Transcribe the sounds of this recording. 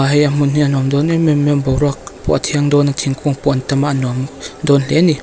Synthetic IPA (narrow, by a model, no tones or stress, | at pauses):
aɦajamunianɔmdɔnimemenbɔwɾak̚pɔʔat̪ʰiaŋdɔnat̪ʰiŋkʰuŋpɔntamanɔmdɔnleni